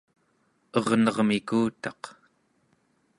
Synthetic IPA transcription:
ʌʁnʌʁmikuːt̪ɑq

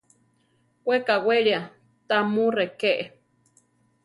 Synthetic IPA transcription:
kwekaweɺja | t̪amurekeʔe

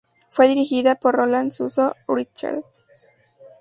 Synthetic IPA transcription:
fweðiɾixiðapoɾrolansusouɾit͡ʃːa̰l

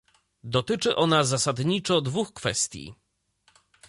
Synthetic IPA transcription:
d̪ɔt̪ɘt͡ʂɘʔɔnazasad̪ɲit͡ʂɔd̪vuxkfɛ̰st̪ʲjḭ

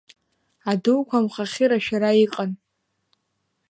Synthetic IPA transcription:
aduwkʷamχaχʲɪɾaʃᶣaɾaiqʼan

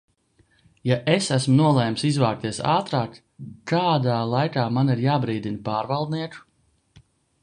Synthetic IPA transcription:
jaʔesæsmunuɔlˠɛjmsizvaːk̚t̪iɛsa̰ːt̪ɾaːk | kaːd̪aːlˠajkaːmaniɾjaːbɾiːd̪inpaːɾvɑlˠd̪̚niɛku̥

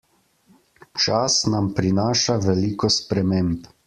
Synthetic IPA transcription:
t͡ʃasnampɾinaːʃaʋɛliːkɔspɾɛmemp

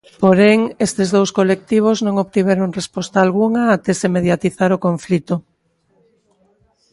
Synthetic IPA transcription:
poɾeŋest̪ezðowskolek̚t̪iβ̞oznõŋoβt̪iβeɾoŋrespɔst̪aːlɣuŋaat̪esemeðjat̪iθaɾokoɱflit̪o

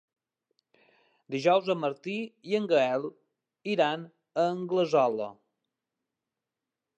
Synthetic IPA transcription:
d̪iʒɔwzəməɾt̪iiəŋɡəɛlˠ | iɾan | əŋɡləzɔlə̰

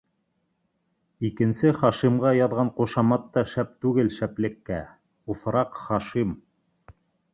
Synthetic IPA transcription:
ikɘ̆nsɘχɑʃimʁɑjɑðʁɑɴquʃɑmɑt̪ːɑʃæp̚t̪ʉɡɘlʃæplɘ̆kːæ | ufɾɑqχɑʃim

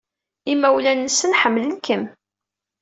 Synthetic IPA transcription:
imːæwlænːəsːənħəmːlənkəm

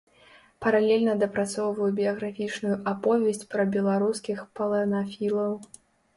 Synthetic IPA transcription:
pɐɾalʲɛlʲnɐd̪ɐpɾat̪sɔwvɐjubʲiɐɣɾafʲit͡ʂnujuʔapɔvʲɛsʲt͡sʲpɾɐbʲɛlˠaɾuskʲixpɐlˠɐnafʲilˠɐw

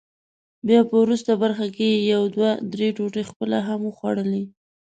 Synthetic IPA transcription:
bjɑpəwɾust̪abaɾxakejawd̪wad̪ɾeʈoʈexpəlaɦaməxwaɽəli

